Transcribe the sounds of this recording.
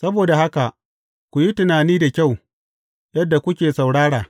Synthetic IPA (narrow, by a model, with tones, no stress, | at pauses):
sɐ˦boː˨da˨ha˦ka˨ʔ | kʷu˨ji˦tɪ˨naː˨niː˦da˨kʲa˦˨w | jɐ˦dːa˨kʷʊ˦kʲeː˨sa˨wɽaː˦ɽaː˨